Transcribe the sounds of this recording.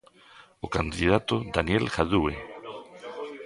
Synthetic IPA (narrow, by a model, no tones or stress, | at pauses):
okand̪ið̞at̪od̪anjɛlxaðue